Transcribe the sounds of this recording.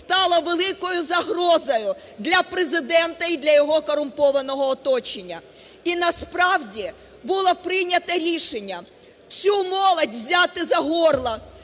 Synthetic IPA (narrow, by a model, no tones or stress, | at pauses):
st̪ɑlˠɐʋelˠɪkɔjʊzɐɦrɔzɔjʊ | d̪lʲɐpɾezɪd̪ɛnt̪ɐid̪lʲɐjɔɦɔkɔɾʊmpɔʋɐnɔɦɔːt̪ɔt͡ʃenʲːɐ̰ | inɐspɾɑwdʲi | bʊlˠɔpɾɪnʲɐt̪ɐɾʲiʃenʲːɐ | t͡sʲumɔlˠɐdʲʋzʲɑt̪ɪzɐɦɔrlˠɐ